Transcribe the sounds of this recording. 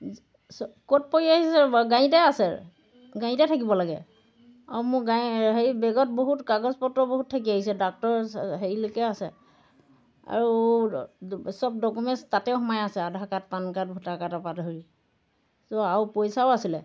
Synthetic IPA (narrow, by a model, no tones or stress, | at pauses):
skot̚poɹiaɦisɛɡãjĩtɛasɛ̰ | ɡãj̃tɛtʰakibɔlaɡɛ̰ | amʊɡajɦejbɛɡɔt̚boɦutkaɡɔzpɔtːɔboɦut̚tʰːakiaɦisɛdak̚tɔɹɦeɹilokɛasɛ | a̰ɹu | sɔb̚dɔkumɛstatɛʊxɔmajasɛadʱakat̚pankat̚bʱutakatapadɦoɹi | soawpojsawasilɛ